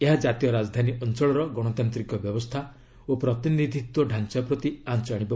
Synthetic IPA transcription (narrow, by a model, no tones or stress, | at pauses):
eɦad͡ʒat̪ijɔɾad͡ʒɔd̪ʱaniʔɔnt͡ʃɔɭɔɾɔɡɔɽ̃ɔt̪ant̪ɾikɔbjɔbɔst̪ʰa | opɾɔt̪inid̪ʱit̪wɔɖʱant͡ʃapɾɔt̪iant͡ʃaɽ̃ib